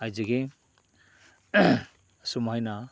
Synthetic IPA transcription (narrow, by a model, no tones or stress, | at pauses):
ajziɡe | sumhajna